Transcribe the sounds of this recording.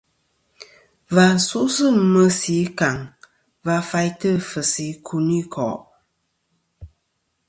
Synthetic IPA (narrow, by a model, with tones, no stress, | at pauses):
va˨su˦ʔsɨ˦mə˦si˨˦ka˨ŋ | va˧˦fa˧jtə˦fə˨si˨˦kʰu˧ni˦kʰɔ̰˨ʔ